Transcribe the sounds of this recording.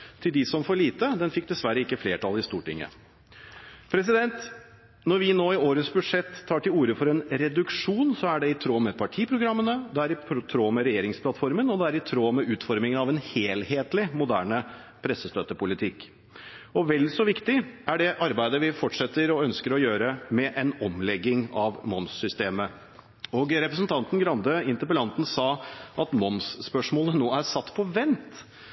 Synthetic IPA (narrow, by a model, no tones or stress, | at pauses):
t̪ʰɪld̪ɪsɔmfɔɭiːt̪əd̪ɛnfɪk̚ːd̪ɛsʋæɾːəɪkːəfleːʈʰɑlɪst̪uːʈɪ̰ŋːə̰ | pʰɾɛs̬ɪd̪ɛnt̪ | nɔɾʋɪnoːɪoːɾəsbʉʂɛt̪ʰːɑːʈɪluːɾəfɔɾɛnɾɛd̪ʉkʂuːnsɔæɖɛɪt̪ʰɾoːmɛpʰɑʈʰiːpʰɾʊɡɾɑmːənəd̪ɛæɾɪt̪ʰɾoːmɛɾɛjeːɾɪŋspʰlɑt̪fɔɾmənɔd̪ɛæɾɪt̪ʰɾoːmɛʉːt̪fɔɾmɪŋənɑʋɛnheːlheːt̪lɪmʊd̪æ̰ːɳə | pʰɾɛsəst̪øːt̪əpʊlɪt̪ʰɪkː | ɔʋɛld̪sɔʋɪkt̪ɪæɖɛʔɑɾbæɪd̪əʋɪfɔʈʂɛt̪ːəɾɔœnskəɾɔjøːɾəmɛʔɛnɔmlɛɡːɪŋɑʋmɔnssʏst̪eːmə | ɔɡɾɛpɾəsnt̪ʰɑnt̪n̩ɡɾɑnd̪əɪnt̪əpəlɑnt̪n̩sɑːʔɑt̪mɔnsspœʂmoːlənoːæɾsɑt̪ːpʰɔʋɛnt̪